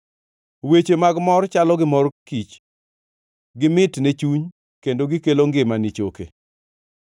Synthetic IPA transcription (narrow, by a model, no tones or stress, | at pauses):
wet͡ʃemaɡmɔrt͡ʃalɔɡɪmɔrkit͡ʃ | ɡɪmɪtnet͡ʃuɲ | kendoɡɪkeloŋɡɪmanit͡ʃokḛ